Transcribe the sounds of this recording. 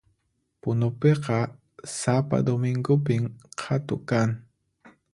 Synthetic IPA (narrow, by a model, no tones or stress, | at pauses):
pʊnʊpeqɑ | sapa̰d̪omɪŋɡʊpɪmqʰat̪ʊkaŋ